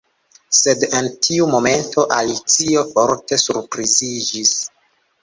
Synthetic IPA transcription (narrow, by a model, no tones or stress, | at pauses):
se̞dentʰiumo̞me̞nto̞ʔalit͡sio̞foɾte̞suɾpɾizid͡ʒis